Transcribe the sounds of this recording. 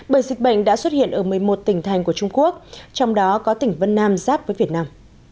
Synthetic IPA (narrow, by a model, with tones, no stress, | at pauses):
ɓəː˧˩jzï˨˩k̟̚ɓə̰˧˨jŋ̟ɗa̰ː˧˥swə˦˥t̚hḭ˧˨ənʔəː˧˩mɨ˨˩əjmo˨˩t̚t̪ï˧˩ŋ̟t̪ʰa˨˩jŋ̟ku˧˩ət͡ɕʊ˧ŋ͡mku˦˥ək̚t͡ɕɔ˧wŋ͡mɗɔ˨˦kɔ˨˦t̪ï˧˩ŋ̟və˧nːaː˧mzaː˦˥p̚vəː˨˦jvi˨˩ət̚naː˧m